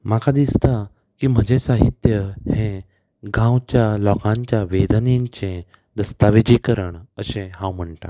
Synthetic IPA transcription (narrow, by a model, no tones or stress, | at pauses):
makad̪ist̪a | kiːm̤əd͡ʑesaɦit̪jəhẽ | ɡãwt͡ɕjalɔkãɲt͡ɕjaʋed̪niɲt͡ɕẽ | d̪əst̪aʋed͡ʑikəɾəɳəɕẽɦãwm̤əɳʈa̰